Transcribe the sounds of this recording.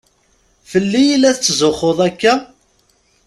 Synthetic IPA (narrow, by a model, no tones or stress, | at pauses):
fəlːijilːæθt͡sːzoχːoðˤækːæ